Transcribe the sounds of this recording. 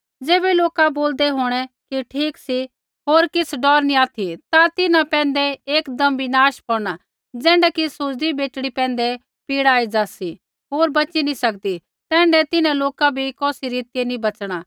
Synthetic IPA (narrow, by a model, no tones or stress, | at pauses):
d͡zeːbɛloːkaboːld̪ɛɦoːɽ̃ɛkiʈʰiːksi | ɦoːɾkɪsɖɔːɾnĩaːt̪ʰit̪at̪ɪnãpɛ̃ːnd̪ɛeːkd̪ɐmbʱinaːʃpɔɾɽ̃a | d͡zɛ̃ːɳɖɛkisʊɾd̪ibeːʈɽ̃ipɛ̃ːn̆d̪ɛ | piːɽaːid͡ʒaːsi | ɦoːɾbɐt͡ʃinĩsɐkd̪i | t̪ɛ̃ːɳɖɛt̪ɪnãloːkabʱikɔːsiɾiːt̪ɪjenĩbɐt͡ʃɽ̃a